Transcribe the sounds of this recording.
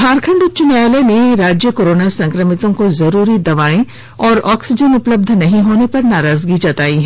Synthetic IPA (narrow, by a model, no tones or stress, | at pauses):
baːɾkʰə̃ɳɖt͡ʃʊnaːleneɾaːd͡ʒjəkoːɾoːnasɐ̃ŋkɾəmɪt̪õkozɐɾuːɾid̪ɐʋaːẽ | ɔːɾɔːksɪd͡ʒənʊpləb̚d̪ʱnɐɦĩɦoːnepɐɾnaːɾaːzɡit͡ʃɐt̪aːiɦɛ